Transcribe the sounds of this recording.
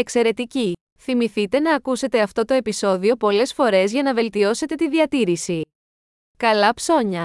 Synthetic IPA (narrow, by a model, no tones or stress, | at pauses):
e̞kse̞ɾe̞t̪ici | θimiθit̪e̞nɐːkuse̞t̪e̞ɐft̪o̞t̪o̞e̞piso̞ðio̞po̞le̞sfo̞ɾe̞zʝɐnɐve̞lt̪io̞se̞t̪e̞t̪iðiɐt̪iɾisi | kɐlɐpso̞ɲɐ